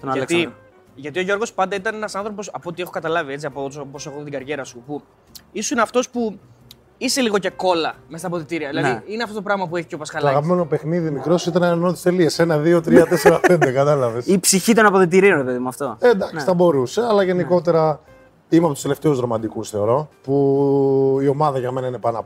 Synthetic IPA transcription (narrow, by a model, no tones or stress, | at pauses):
t̪ont̪i | ʝɐt̪io̞ʝo̞ɾɣo̞spɐnd̪ɐit̪ɐne̞nɐsɐnθɾo̞po̞sɐpot̪ie̞xokɐt̪ɐlɐviet͡siɐpot̪posexoðt̪iɡɐɾʝe̞ɾɐsupu | isusineɐft̪o̞spu | ise̞liɣoce̞ko̞lɐmest̪ɐpoðet̪iɾiɐðilɐnðiineɐft̪ot̪opɾɐɣmɐp̬ueçi̥copɐskɐltoɐɣɐpime̞no̞pe̞xniðimikɾo̞sit̪enɐnot̪ist̪eliese̞nɐðio̞t̪ɾiɐt̪eseɾɐpend̪ekɐt̪ɐlɐvesipsiçit̪o̞nɐpoðet̪̬iɾionɾepe̞ðimuɐft̪o̞end̪ɐksiθɐbo̞ɾuse̞ɐlɐʝe̞niko̞t̪e̞ɾɐ | imeɐpot̪ust̪eleft̪e̞uzðɾo̞mɐd̪ikusθe̞o̞ɾo̞pu | io̞mɐðɐʝɐmenɐine̞pɐnɐp